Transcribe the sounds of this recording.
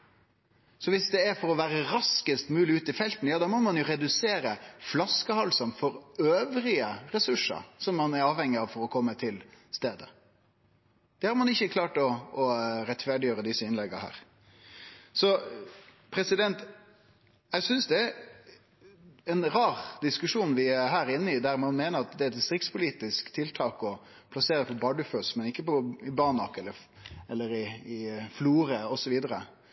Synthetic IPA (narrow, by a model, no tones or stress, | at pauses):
sɔʋɪsd̪ɛæɾfɔɾɔʋæːɾəɾɑskəst̪mʉːlɪʉːt̪ɪfɛlt̪n̩jɑːd̪ɑːmɔmɑnjʊɾɛd̪ʉseːɾəflɑskəhɑlsɑnfɔɾøːʋɾɪəɾɛsʉʂːə̰ɾsɔmːɑnæɾɑːʋhɛŋːɪɑʋfɔɾɔkʰɔmːət̪ʰɪlst̪eːd̪ə | d̪̥ɛhɑɾmɑnɪçːəkʰlɑːʈɔː | ɾɛt̪fæɖɪjøːɾəd̪ɪsːəɪnlɛɡːə̰hæ̰ːɾ | sɔ | pʰɾɛsɪd̪ɛnt̪ | jæsʏnsd̪ɛæɾ | ɛnɾɑːʁd̪ɪskʉʂuːnʋɪæɾɦæːɾɪnːəɪd̪æɾmɑnmeːnəɾɑt̪d̪ɛæɾt̪st̪ɾɪkt̪spʰʊliːt̪ɪskt̪ʰɪlt̪ʰɑːkɔ | pʰlɑseːɾəpʰɔbɑɖʉføsmɛnɪkːəpɔɪbɑnɑkɛlːə | ɛlːəɾɪɪfluːɾəɔsɔʋiːd̪əɾə